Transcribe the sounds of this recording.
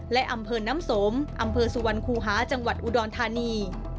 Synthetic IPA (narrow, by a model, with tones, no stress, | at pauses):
lɛ˦˥ʔa˧mpʰɤː˧naː˦˥mso˩˦mʔa˧mpʰɤː˧su˨˧wa˧nkʰuː˧ɦaː˩˦˥t͡ɕa˧ŋwa˨˩t̪̚ʔu˧˩dɔː˧nt̪ʰaː˧niː˧